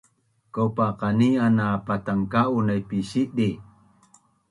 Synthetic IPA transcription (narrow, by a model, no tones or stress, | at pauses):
kopaqanianapat̪aŋkaunajpisiʔdi